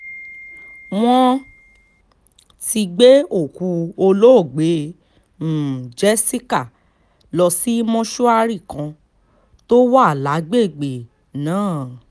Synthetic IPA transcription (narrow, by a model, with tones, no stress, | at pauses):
w̃ɔ̃˦ | ti˧ɡ͡be˦o˦˨ku˧o˧lo˦o˦˨ɡ͡be˨˦ | m̩˨d͡ʒɛ˦si˦ka˦˨ | lɔ˧si˨˦mɔ̃˦ʃu˦a˧ɾi˦˨kã˧ | to˦wa˦a˦˨la˨˦ɡ͡be˦˨ɡ͡be˨ | nãː˨˦˨